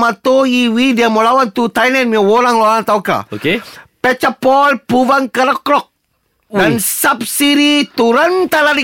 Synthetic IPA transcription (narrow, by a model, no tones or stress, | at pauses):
mat̪oiwidiamolawant̪ut̪ajlɛnmiawoɾaŋlolant̪awka̰okepɛt͡ʃapɔlpuvaŋkəɾəkɾɔk̚ | wansap̚siɾit̪uɾant̪alaɾi